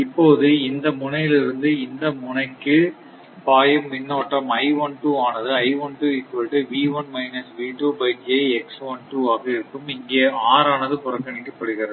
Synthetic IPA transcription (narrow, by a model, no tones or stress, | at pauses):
ɪpːoːðɯɪnd̪ɐmʊnɐjɪlɪɾɯnd̪ɯɪnd̪ɐmʊnɐɪkːɯ | paːjɐmːɪnːɐʋɐʈːɐmɐɪʋɐɳʈuːaːnɐðɯɐɪʋɐɳʈuːɪkːɐʈːɯʋiːʋɐnmɐɪnɐsʋiːʈuːbɐɪʈɐɛksʋɐɳʈuːaːɣɐɪɾɯkːɯmɪŋɡeːaːɾaːnɐðɯpʊɾɐkːɐnɪkːɯpɐɽɯɣɪɾɐðɯ